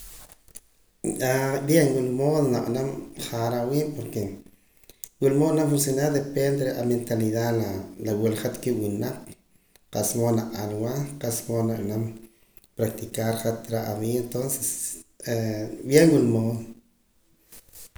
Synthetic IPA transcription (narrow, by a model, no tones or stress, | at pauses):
abjeŋwulmoːðonaʔanamχaɾawiːʔpoɾke | wulmoonamfunsjonaɾd̪epend̪eɾeʔa̰ment̪aliðalalawulχat̪kiwinaq | qaʔsmonaʔalwaqaʔsmonaʔnam | pɾak̚t̪ikaɾχat̪ɾaʔaβient̪onse̥sebjeŋwulmoːðo